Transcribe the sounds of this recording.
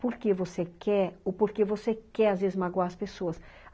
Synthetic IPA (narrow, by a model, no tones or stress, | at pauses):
poɾkevosekɛɾopoɾkevosekɛɾazvezɪzmaɡwaɐspesoɐs